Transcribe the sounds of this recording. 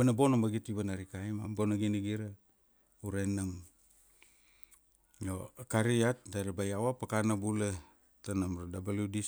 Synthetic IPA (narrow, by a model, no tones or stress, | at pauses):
banabonamaɡitiβanaɾikajma̰mbonaɡinaɡiɾa | uɾenam | jokaɾiat̚daɾabajawapakanabula | tanamɾadabaludi